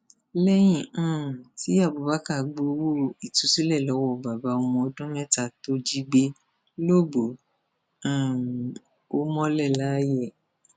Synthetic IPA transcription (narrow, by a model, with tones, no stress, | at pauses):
lɛ˦j̃ĩ˦˨ã˦˨ti˨˦a˦˨bo˨ba˨˦ka˦˨ɡ͡bo˧˦wo˦i˨tu˨˦si˦lɛ˦˨lɔ˨˦wɔ˦˨ba˨ba˨˧ɔ˧mɔ̃˧ɔ˧dɔ̃˦mɛ˦˨ta˨to˧˦d͡ʒi˦ɡ͡be˧ | lo˦˨ɡ͡bo˨˦ | ã˦˨ | o˦mɔ̃˦lɛ˦˨la˨˦jɛ˦˨